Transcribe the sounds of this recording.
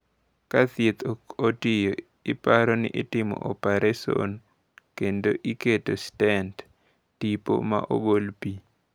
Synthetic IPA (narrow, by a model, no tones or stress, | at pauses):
kat̪et̪ʰootɪjo | ɪpaɾɔnɪ̰ʔɪtɪmɔ̰ʔopaɾeso̰n | kendo̰ʔiketostɛnt | tipo̰ma̰ʔo̰ɡolpi